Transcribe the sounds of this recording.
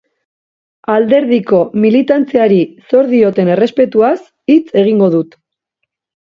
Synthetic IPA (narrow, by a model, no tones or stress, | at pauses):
ald̪e̞ɾðiko̞milit̪ant͡seaɾiso̞ɾðio̞t̪e̞ne̞re̞spe̞t̪uas | it͡se̞ɣ̞iŋɡo̞ðut̪